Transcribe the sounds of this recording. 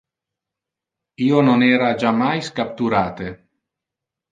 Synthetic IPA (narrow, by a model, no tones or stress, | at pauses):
iːononɛːɾad͡ʒamajskap̚t̪uɾaːt̪e